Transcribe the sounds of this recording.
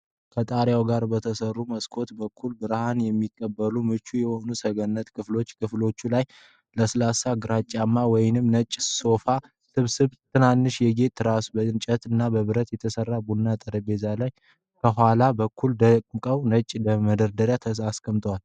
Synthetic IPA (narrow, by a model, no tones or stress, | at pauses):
kʰət̪ʼaɾjawɡaɾbət̪ʰəsərːuməskʰo̞t̪bəkʰːulbɨɾhanjɛmːikʼːəbːəlumɨt͡ʃːujɛho̞nusəɡənːət̪kʰɨflo̞t͡ʃːkʰɨflo̞t͡ʃːulaj | ləsɨlasaɡɨɾat͡ʃʼːamːawɔjnɨmnət͡ʃʼːso̞fa | sɨβsɨβt̪ʰɨnanːɨʃjɛɡe̞t̪ːɾasubəɨnt͡ʃʼət̪ɨnːabəβɨɾət̪jɛt̪ʰəsərːabunːat̪ʼəɾəbe̞zalaj | kʰəɦʷalabəkʰːuld̪əkʼmkʼəwnət͡ʃʼləməd̪əɾd̪əɾjat̪ʰəaskʰəmt̪ʰəwal